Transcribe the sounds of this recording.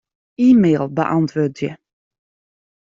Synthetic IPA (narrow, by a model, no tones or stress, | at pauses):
iːmeːlˠbə̰ʔɑntʰʋøːtjə